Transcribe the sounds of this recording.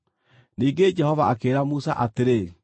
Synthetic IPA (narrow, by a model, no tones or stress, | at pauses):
niːɡed͡ʒɛhɔvaʔakeɾamusa̰ʔateɾe